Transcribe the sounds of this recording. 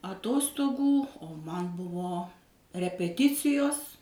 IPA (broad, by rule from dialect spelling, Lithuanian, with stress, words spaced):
ɐˈtoːstoːɡuː oː ˈmɐn ˈbʊʋoː rʲɛpʲɛˈtʲɪt͡sʲɪjoːs